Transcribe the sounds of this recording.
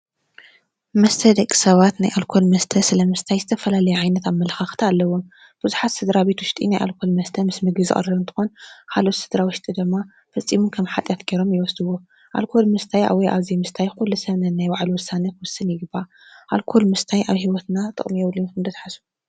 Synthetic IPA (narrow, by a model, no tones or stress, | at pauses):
mɐst̪ʰɐd̪ɐkʼːi̥sɐβat̪najʔalkʰo̞lmɐst̪ʰɐsɨlɐmɨst̪ʰajzɨt̪ʰɐfɐlalɐjuʕajnɐt̪aβmɐlɐxaxt̪ʰɐalːɐwo | b̥ɨzuħat̪sɨd̪ɾaβe̞t̪wʊʃt̪ʼḭnajʔa̰lkʰo̞lmɐst̪ʰɐmɨsmɨɡɨzɨ̰χʼɨ̰ɾɐβɨnt̪ʰɨ̥xo̞nkʰalo̞t̪sɨd̪ɾawʊʃt̪ʼid̪ɨmːa | fɐt͡sʼːimukʰɐmħat̪ʼjat̪ɡeɾo̞mjɪwɔsd̪ɨwo | ʔa̰lkʰo̞lmɨst̪ʰaja̰wɔjʔa̰βzimɨst̪ʰajkulːusɐβnɐnajwaʕluwɔsanɐwɔsːɨnjɪɡɨbːa | ʔalkʰo̞lmɨst̪ʰajʔaβhiwɔt̪nat̪ʼɨ̰χʼmijɛwljumkʰɨnd̪ɐt̪ħasu̥